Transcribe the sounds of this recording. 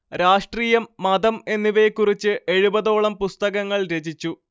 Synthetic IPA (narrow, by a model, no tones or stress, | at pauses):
ɾaːʂʈriːjɐmːɐd̪ɐme̞nːiʋekːurit͡ɕːɨʔe̞ɻubɐðo̞ːɭɐmpust̪ɐɣɐŋːɐɭɾe̞d͡ʑit͡ɕːu